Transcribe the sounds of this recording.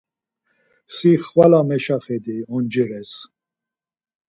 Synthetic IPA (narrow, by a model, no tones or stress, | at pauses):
siχvalamɛʃaχɛd̪iɔnd͡ʒɛɾɛs